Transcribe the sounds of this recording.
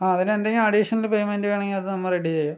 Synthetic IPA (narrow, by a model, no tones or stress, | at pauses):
aːɐðinend̪ɐŋɡimɐɽiʂɐnɐlpejmendɨʋeːɳɐŋɡilɐðɨnɐmːɐreɽit͡ɕejːu